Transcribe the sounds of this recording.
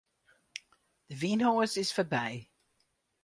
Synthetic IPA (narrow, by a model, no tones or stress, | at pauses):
ðəvĩːnɦɔːzɪz̥fəbeɪ